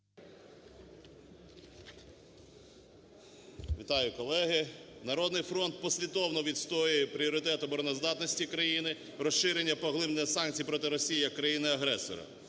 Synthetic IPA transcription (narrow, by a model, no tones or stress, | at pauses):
ʋʲit̪ɑjʊkɔlˠɛɦɪnɐɾɔd̪nɪjfɾɔnt̪̚pɔsʲlʲid̪ɔwnɔʋʲit̪st̪ɔjʊjɛpɾʲiɔɾɪt̪ɛt̪ʊbɔɾɔnɔzd̪ɑt̪nɔsʲtʲikɾɐjinɪ | rɔʃʃɪɾenʲːɐpɔɦlˠɪbnɪjɐsɑnkʲt͡sʲijpɾɔt̪ɪɾɔsʲijijɐkːɾɐjinɪɐɦɾɛsɔ̰ɾɐ̰